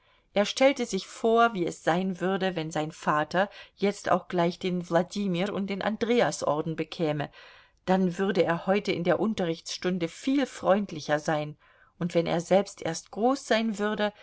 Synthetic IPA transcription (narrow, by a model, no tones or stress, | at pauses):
ʔeːɐʃtʰɛltəzɪçfoːɐviːɛsz̥aɪnvʏɐdəvɛnzaɪnfaːtɐjɛt͡sta̰ʊxɡ̥laɪçd̥eːnvladiːmiːɾʊ̰nt̚d̥eːnʔa̰ndʁeːasʔɔ̰ɐdn̩bəkʰɛːmə | d̥anvʏʁdəeːɐhɔʏtəɪndeːɐʔʊntɐʁɪçt͡sʃtʊndəfiːlfʁ̥ɔʏntlɪçɐzaɪn | ʔʊntv̥ɛnʔḛːɐzɛlpstʔḛːɐst̚ɡ̥ʁoːsz̥aɪnvʏʁdə